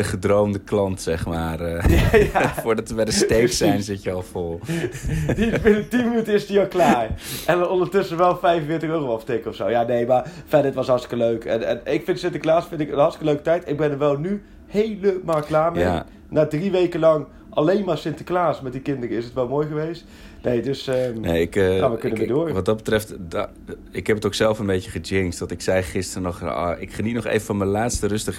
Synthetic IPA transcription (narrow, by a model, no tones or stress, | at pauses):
əχədrowmdəklɑntsɛχmaːrjajaʊːdɑtəbɛdəstejksɛjnzɪtjəɑlˠfɔlˠ | ditbɪnətinmənytəɪsdiɔlklaːɹʔɛnnɔndəɹtʏsəʋɛlˠfɛjfənfɪːtəχøːrowɑftɪkəɔfsowjaːnejmaːɹfɛdəətʋɑsɦɑɹtstɪ̥kəløɥkʰɛ̰nɛ̰nɪkfɪntsɪntəklaːsfɪntɪkənɦɑɹtstɪ̥kəløɥkətɛjtɪɡ̚bɛnəɹʋɛlˠny | hejləmaːlˠklaːɹme | naːdriʋejkəlɑŋ | ʔalejnmaːɹsɪntə̥klaːsmɛt̚dikɪndərəɪsətʋɛlˠmoːjχəʋejst | nejdɵsənejɪkxaːnʋəkənəmɪdʊːrʋɔt̚dɔt̚bətrɛftd | ɪkhɛpətoksɛlˠfənbejəχəd͡ʒɪŋstʋɔtɪksɛjχɪstəənɔχɪkχənitnɔχḛjvəfɔnməlaːtstərɵstəχ